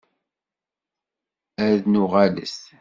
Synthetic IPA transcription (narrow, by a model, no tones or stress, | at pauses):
æɾðnʊʁalə̰s